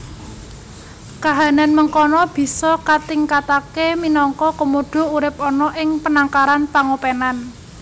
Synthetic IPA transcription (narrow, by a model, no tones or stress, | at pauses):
kaɦa̤nanməŋkɔnɔb̥i̤sɔkat̪iŋkat̪akeminɔŋkɔkəmoɖ̥o̤uɾɪp̚ɔnɔʔɪŋpənaŋkaɾanpaŋopenan